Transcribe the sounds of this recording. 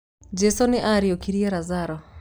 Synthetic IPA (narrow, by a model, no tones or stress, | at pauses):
d͡ʒesonɪʔaɾiokiɾieɾazaɾɔ